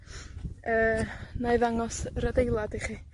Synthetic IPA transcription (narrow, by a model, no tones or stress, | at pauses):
əːnaɨðaŋɔsrədejlˠadiχiː